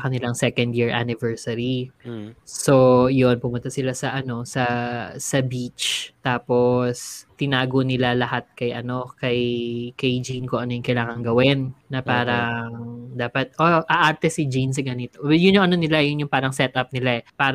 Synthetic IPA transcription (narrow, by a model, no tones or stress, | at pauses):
kɐnɪlaŋsɛkɐnd̪jiɹʔa̰nɪvɛɹsɐɾi | sojonpʊmʊnt̪ɐsɪlasɐʔɐno̞sɐsɐbit͡ʃt̪aːpo̞st̪ɪnaːɡonɪlalɐhat̪̚kɐjʔɐ̰no̞kɐjkɐjd͡ʒinkoʔɐnojʊŋkɐjlaːŋɐŋɡɐwɛnːɐpaːɾɐŋŋd̪aːpɐt̪̚ʔoʔɐʔaɾt̪ɛsɪd͡ʒins̬ɪɡɐnɪt̪ojʊnjʊŋɐnonɪlajʊnjʊŋpaːɾɐŋsɛt̪ʔɐp̚nɪlaʔɛpaːɾ